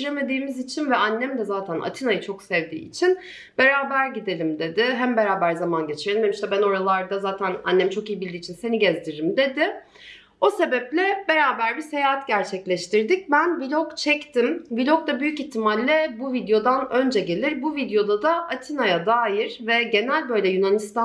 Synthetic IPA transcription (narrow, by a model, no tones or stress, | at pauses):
ɾeme̞d̪iːmizit͡ʃʰinvɛanːɛmd̪ɛzaːt̪ʰæna̰t̪ʰinajɯt͡ʃʰo̞ksɛvd̪ḭːḭt͡ʃʰin | b̥e̞ɾaːbæɾɟid̪e̞lʲimd̪e̞d̪ɪɦæmbe̞ɾaːbæɾzamanɟe̞t͡ʃʰiɾelʲimemiʃt̪ɛbæno̞ɾalˠaɾd̪azaːt̪ʰæna̰nːɛmt͡ʃʰo̞kijibilʲd̪iːt͡ʃʰinse̞niɟɛzd̪iɾimd̪e̞d̪ɪ | o̞se̞bɛplʲɛbe̞ɾaːbæɾbise̞jaɦat̪ɟæɾt͡ʃʰɛclʲɛʃt̪ʰiɾd̪ic̚bænvilʲokt͡ʃʰɛct̪ʰimvilʲokd̪ˠabyjyciçt̪ːimalʲːɛbuvid̪jo̞d̪anø̞nd͡ʒɛɟe̞lʲiɾbuvid̪jo̞d̪ad̪aʔat̪ʰinajad̪aːjiɾ̥vɛɟe̞nælʲbø̞jlʲɛjynanist̪a